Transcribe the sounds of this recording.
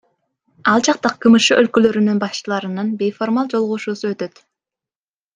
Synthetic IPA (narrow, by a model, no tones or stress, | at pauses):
ɑlˠd͡ʒɑq̚t̪ɑqʰɯmɯʃɯʔølkø̞lø̞ɾynynbɑst͡ʃɯlˠɑɾɯnɯnbe̞jfo̞ɾmalˠd͡ʒo̞lˠʁuʃuːsuø̞t̪ø̞t̪